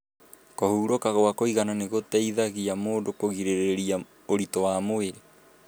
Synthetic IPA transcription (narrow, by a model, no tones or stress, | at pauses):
kɔhuːɾokaɣoakoiɣananeɣotɛiðaɣiamoːdokoɣiɾeɾeɾia | oɾitowamoeɾe